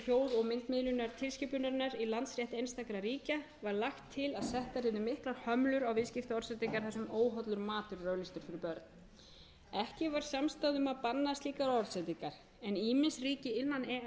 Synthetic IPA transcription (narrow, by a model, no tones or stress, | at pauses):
hjoːwɾɔɣmɪnt̪mɪðlʏnaɾ̥t̪ʰɪlscɪpʏnaɾnaɾilant̪sɾjɛht̪ejnst̪akɾaɾiːca | vaɾlaxt̪ʰːɪlaðsɛht̪aɾɪðʏmːɪhklaɾ̥hœmlʏɾawvɪðscɪft̪ɔɾsɛt̪iŋkaɾ̥θɛsʏmoːwɦɔt̪lʏɾmaːt̪ʏɾːœːɥlist̪ʏɾ̥fɪɾɪɾpœɾt̪n̥ | ɛhcɪvaɾ̥samst̪aðʏmaðpanːast̪liːkaɾɔɾsɛt̪iŋkaɾ̥ | ɛniːmɪnsriːcɪɪnːanɛ